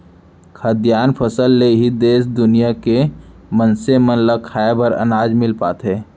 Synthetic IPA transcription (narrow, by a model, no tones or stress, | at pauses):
kʰəd̪jaːnpʰəsəlːeɦid̪eːsd̪ʊnijake | mənsemənləkʰaebəɾə̰naːd͡ʒmɪlpaːt̪ɦɛː